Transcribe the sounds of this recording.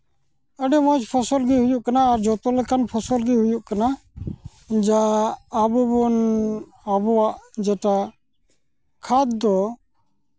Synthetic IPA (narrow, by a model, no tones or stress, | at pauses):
əɖɛmɔ̃d͡ʒpʰɔsɔlɡiɦujuʔkanaːɾd͡ʒɔt̪ɔlɛkanpʰɔsɔlɡiɦujuʔkana | d͡ʒaːbubɔn | abɔwaʔd͡ʒɛʈa | kʰad̪̚d̪ɔ